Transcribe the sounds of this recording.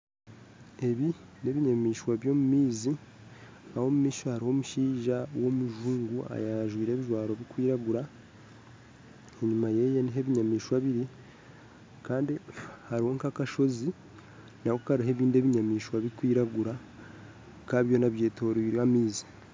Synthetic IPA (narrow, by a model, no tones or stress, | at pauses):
e̞βi | ne̞βiɲamiːʃwaβjo̞ːmumiːzi | aho̞mumiːʃohaɾiho̞muʃiːʒawo̞muʒuːŋɡua̰jaʒwiːɾe̞ːβiʒwaːɾo̞βikwiːɾaɡuɾa | eɲumaje̞jeniɦe̞βiɲamiːʃwaβiɾi | kaːndihaɾiho̞ŋkakaʃo̞zi | nahokaɾiɦeβiːnde̞βiɲamiːʃwaβikwiːɾaɡuɾa | kaβjo̞naβje̞ːto̞ɾiamiːzi̥